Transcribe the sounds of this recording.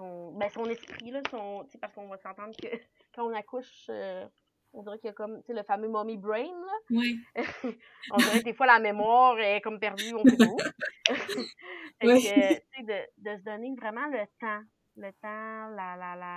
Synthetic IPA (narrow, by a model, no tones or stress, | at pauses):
sɔ̃bɛsɔ̃nɛspχilʌsɔ̃t͡sepaʁsəkɔ̃vasɑ̃t̪ɑ̃d̪ʁkʲə | kɑ̃ɔ̃nakʊʃø | ɔ̃d̪ziʁɛkjəkɔmt͡seləfamømɔmibʁɛ̃nlʌwɛ | ɔ̃d̪iʁɛd̪efwalamemwɑːʁekɔmpɛʁd̪d͡zyɔ̃ɛo | fɛkət͡sed̪əd̪əs̬əd̪ɔnevʁɛmɑ̃lət̪ɑ̃ | lət̪ɑ̃lalala